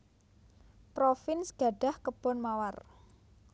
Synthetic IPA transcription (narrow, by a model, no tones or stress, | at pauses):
pɾofɪnsɡ̥a̤ɖ̥a̤hkəb̥ɔ̤nmawar